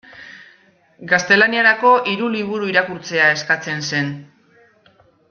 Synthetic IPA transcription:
ɡast̪e̞laniaɾako̞ʔiɾuliβ̞uɾuiɾakuɾt͡se̞ae̞skat͡se̞nse̞n

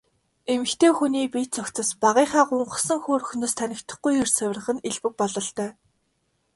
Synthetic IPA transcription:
emɘ̆xt̪ʰeːxuniːpit͡sɔkt͡sə̆spaʁiːχaːɢʊɴɢə̆sə̆ŋxoːɾɵxnoːst̪ʰænʲɪ̆kt̪ə̆χɡujɵrsæw̆ʲrə̆χɘ̆neɮpɘ̆k̚pɔɮɞ̆ɬt̪œː

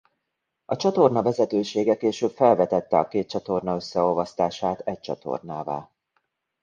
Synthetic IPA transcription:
ɒt͡ʃɒt̪o̞rnɒvɛzɛt̪øːʃeːɡɛkeːʃøːpfɛlvɛt̪ɛt̪ːɛɒkeːt̪̚t͡ʃɒt̪o̞rnɒø̞sːɛovɒst̪aːʃaːt̪ɛc̚t͡ʃɒ̰t̪ʰo̞̰rnaːva̰ː

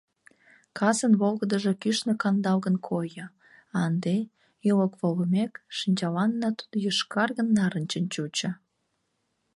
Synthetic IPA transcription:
kʰɑsənβolɣəd̪əʒekyʃnekɑnd̪ɑlɣənkʰojə̆ | ɑnd̪e | ələkβoləmekʃənʲt͡ɕɑlɑnːɑt̪u̥d̪ojəʃkɑrɣənːɑɾənt͡ɕənt͡ɕut͡ɕə̆

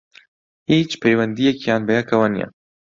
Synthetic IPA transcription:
hiːt͡ʃpʰɛjwɛnd̪ijɛkjaːnbɛjɛkʰɐwanḭjɛ̰

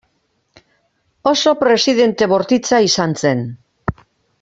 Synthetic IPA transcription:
o̞so̞pɾe̞siðe̞nt̪e̞βo̞ɾt̪it͡saisant͡se̞n

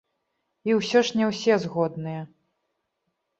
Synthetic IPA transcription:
iwsʲɔʂnʲɛwsʲɛzɣɔd̪nɨjɛ

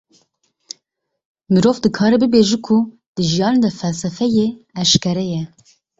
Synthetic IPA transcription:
mɨɾoːvd̪ɨkʰɑːɾɛbɨbeːʒukʰu | d̪̥ɨʒijɑːned̪ɛfɛlsɛfɛjeɛʃkɛɾɛjɛ

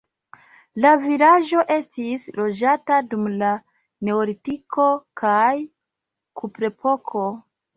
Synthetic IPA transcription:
lavilaʒo̞ʔe̞stislo̞d͡ʒatadumla | ne̞olitiko̞kʰaj | kupɾe̞pʰo̞kʰo̞

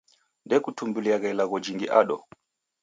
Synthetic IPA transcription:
ndɛkutʰumbuliaɣɛlaɣɔd͡ʒiŋɡiʔaɗɔ̰

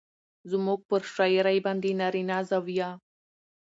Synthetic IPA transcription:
zmuɡ̚pəɾʃɑjɾajbɑnd̪enaɾinazawja

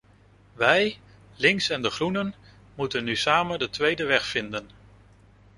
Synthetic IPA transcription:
ʋɛj | lɪŋksɛndəχrunən | mutənːysaːməndətʋejdəʋɛχfɪndən

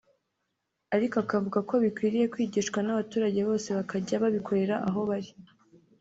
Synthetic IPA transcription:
aɾikoakavuɡakoβikwiːɾije̞kwiːɟiʃkwanaβatuːɾaɟe̞βo̞ːse̞βakʰaɟaβaβikʰo̞ɾe̞ɾaʔaɦo̞βaɾi

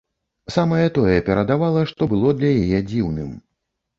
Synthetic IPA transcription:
samɐjɛt̪ɔjɛpʲɛɾɐd̪avalˠɐʂt̪ɔbɨlˠɔd̪lʲɐjajɛd͡zʲiwnɨm

